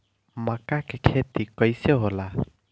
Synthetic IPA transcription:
makakekʰet̪ikʌjseɦola

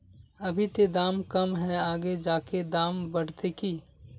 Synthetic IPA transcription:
ɐbʱit̪ed̪aːmkɐmɦɛaːɡed͡ʒaːked̪aːmbəɽ̤t̪ekiː

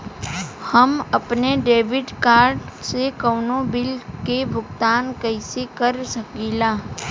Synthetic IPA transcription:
həmɐpneɖeːʋɪɖkaːɾɖsekəːnobɪlkebʱʊɡt̪aːnkəɪsekəɾsəkiːlaː

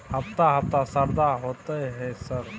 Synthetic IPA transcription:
həpt̪aɦəp̚t̪asəɾd̪aɦoːt̪əɦɛsəɾ

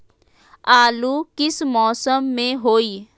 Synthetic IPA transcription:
aːlukɪsmɔːsəmːẽɦoːiː

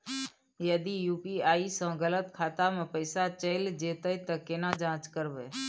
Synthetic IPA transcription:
jəd̪ijuːpiːaːisə̃ɡələt̪kʰaːt̪amẽpəɪsat͡ʃəɪld͡ʒeːt̪əit̪əkɪnãd͡ʒãːt͡ʃkəɾʋeː

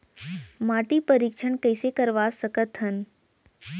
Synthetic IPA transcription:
maʈipəɾikʃəɳkəjsekəɾʋasəkət̪ɦən

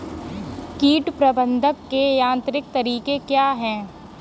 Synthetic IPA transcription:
kiːʈpɾɐbə̃nd̪ʱəkːejãːnt̪ɾɪk̚t̪ɐɾiːkekjaːɦɛ̃ː

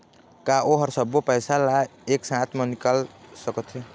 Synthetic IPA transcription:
kaʔoɦəɾsəbːopəjsalaeksãt̪ʰmenikalsəkət̪ʰɦe

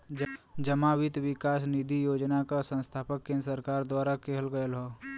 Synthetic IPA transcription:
d͡ʒəmawɪt̪wɪkaːsnid̪ʱijoːd͡ʒnakasə̃nst̪ʰaːpəkːẽːnɾsəɾkaːɾd̪waːɾakeɦəlɡəjəlɦoː

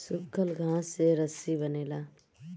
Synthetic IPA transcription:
sʊkʰːəlɡʱãːseɾɐsibɐneːlaː

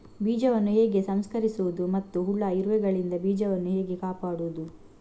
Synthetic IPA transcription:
biːd͡ʒɐʋɐnːuɦeːɡe̞sɐmskɐɾisuʋud̪umɐt̪ːuɦuɭːaiɾʋɛɡɐɭind̪ɐbiːd͡ʒɐʋɐnːuheːɡe̞kaːpaːɽuːd̪u

